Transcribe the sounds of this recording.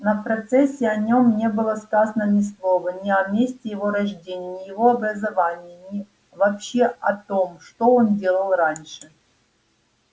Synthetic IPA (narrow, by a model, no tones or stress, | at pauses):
nɐpɾɐt̪sɛsʲːɪɐnʲo̞mnʲe̞bɨlˠəskazənənʲɪslˠo̞vənʲɪɐmʲesʲtʲɪjɪvoɾɐʐdʲenʲɪjənʲɪjɪvo̞ɐbɾəzɐvanʲɪjənʲɪ | vɐpɕːeɐt̪omʂt̪oondʲe̞lˠəlˠranʲʂɨ